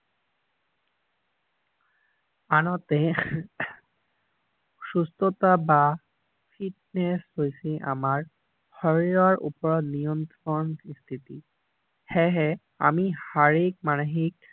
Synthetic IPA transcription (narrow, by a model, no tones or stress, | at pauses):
anɔt̪e | sust̪ʰɔt̪aba | pʰiʈ̚neshojsɛ̃ʔa̰maɹ | hɔɹiɹaɹʔṵpɔɹɔnijɔnt̪ɾɔnist̪ʰit̪i | hɛɦɛ | a̰mihaɹik̚manoɦik